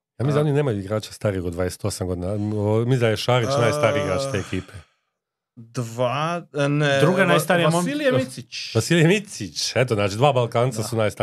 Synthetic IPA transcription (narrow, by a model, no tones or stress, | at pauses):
jamizaonineːmajuiɡɾaːt͡ʃḁst̪aɾijxod̪ʋajese̥t̪o̞samɡo̞d̪inaomizajeʃaːɾit͡ʃnajst̪aɾiiɡɾaːt͡ʃt̪e̞ːekiːpʰe | d̪ʋaned̪ɾuɡanajst̪aɾijamoilijemit̪sit͡ʃpasiljemit̪sit͡ʃet̪̬oznaːt͡ʃid̪ʋaːbalˠkaːnt̪sasunajst̪a